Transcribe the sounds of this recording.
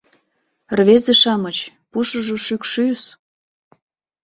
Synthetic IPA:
rβezeʃɑmət͡ɕ | puʃəʒoʃykʃys

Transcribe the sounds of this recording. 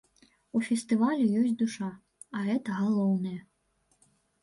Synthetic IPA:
ufʲɛst̪ɨvalʲujɔsʲd̪uʂa | ɐɛt̪ɐɣalˠɔwnɐjɐ

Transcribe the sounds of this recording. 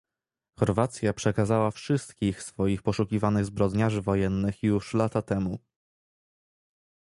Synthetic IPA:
xɔɾvat̪sʲjapʂɛkazawafʂɘst̪kʲixsfɔjixpɔʂukʲivanɘɣzbɾɔd̪ɲaʐɘvɔjɛnːɘxjuʂlat̪at̪ɛmu

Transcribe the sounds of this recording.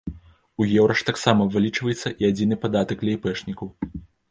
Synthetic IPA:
ujɛwɾɐʂt̪aksamɐvɨlʲit͡ʂvɐjɛt̪sːɐʔiad͡zʲin̪ɨpad̪at̪ɐklʲɛjpɛʂnʲikɐw

